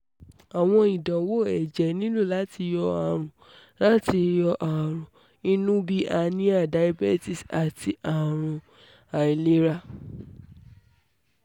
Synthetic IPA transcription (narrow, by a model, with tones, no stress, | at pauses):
a˨w̃ɔ̃˧i˨dã˨wo˦˨ɛ˨d͡ʒɛ˨nĩ˦lu˦˨la˨˦ti˧jɔ˧a˨ɾ̃ũ˨ | la˦ti˧jɔ˧ʔa˨ɾ̃ũ˨ | i˦nũ˦bi˦ʔa˧nĩ˦a˦˨da˨˦jbɛ˦ti˦˨sa˨ti˧ʔa˨ɾ̃ũ˧ | a˨i˨le˦ɾa˦